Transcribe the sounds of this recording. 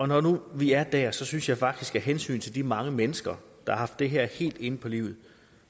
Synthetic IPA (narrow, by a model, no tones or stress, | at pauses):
ɒnɒnuʋiæɐd̥æɐ̰sɒ̽synsjɑ̈ɪfɑ̈ɡ̥̚d̥isɡ̥æɦensy̰ːnt͡sʰe̝ld̥imɑ̈ŋəmenəsɡ̥ɐ | d̥ɑ̈hɑ̈ɦɑ̈fd̥ːe̝ɦɛɐ̰he̝̰ːld̥e̝nəpʰɒ̽lḭʊ̰ð̞̩ˠ